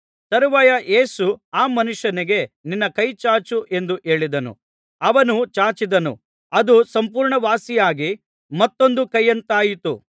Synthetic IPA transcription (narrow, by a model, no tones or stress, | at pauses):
t̪ɐɾuʋɐjɐʔe̞ːsuaːmɐnuʂjɐniɡe̞ninːɐkɐjt͡ʃaːt͡ʃuʔe̞nd̪uʔe̞ːɭid̪ɐnṵ | ɐʋɐnut͡ʃaːt͡ʃid̪ɐnṵ | ɐd̪usɐmpuːɾɳɐʋaːsijaːɡi | mɐt̪ːo̞nd̪ukɐjːɐnt̪aːjit̪ṵ